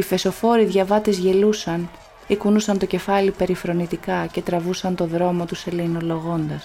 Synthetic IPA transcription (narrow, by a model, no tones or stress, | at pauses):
ife̞so̞fo̞ɾiðʝɐvɐt̪izʝe̞lusɐn | ikunusɐnt̪o̞ce̞fɐlipe̞ɾifɾo̞nit̪ikɐce̞t̪ɾɐvusɐnt̪o̞ðɾo̞mo̞t̪use̞leno̞lo̞ɣo̞nd̪ɐs